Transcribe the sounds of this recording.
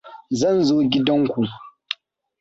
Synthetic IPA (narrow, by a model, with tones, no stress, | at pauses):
zɐ˦˨nzoː˦ɡʲɪ˦dɐ˦ŋkʷu˨